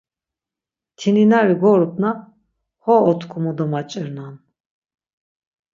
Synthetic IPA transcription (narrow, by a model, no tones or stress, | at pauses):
t̪ʰininaɾiɡɔɾɔbna | hɔːt̪ʰkʰumɔd̪ɔmat͡ʃʼɛɾnan